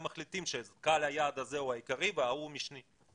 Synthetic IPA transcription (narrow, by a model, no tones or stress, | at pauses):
maχlit̪imʃekalhajaːd̪azeuaikaʁiveaumiʃni